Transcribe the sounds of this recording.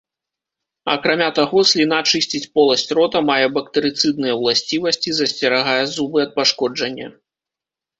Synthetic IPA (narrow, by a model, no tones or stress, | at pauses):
ɐkɾamʲat̪aɣɔsʲlʲinat͡ʂɨsʲt͡sʲit͡sʲpɔlˠɐsʲt͡sʲrɔt̪ɐmajɛbɐk̚t̪ɨɾɨt̪sɨd̪̚nɨjɐwlˠasʲt͡sʲivɐsʲt͡sʲizɐsʲt͡sʲɛɾaɣajɛzubɨɐt̪̚paʂkɔd͡ʐɐnʲːɐ̰